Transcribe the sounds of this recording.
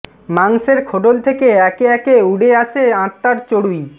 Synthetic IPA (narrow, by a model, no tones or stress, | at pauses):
maŋseɾkʰoʈolt̪ʰekeɛkeɛkeuɖeaʃeãt̪ːaɾt͡ɕoɽuj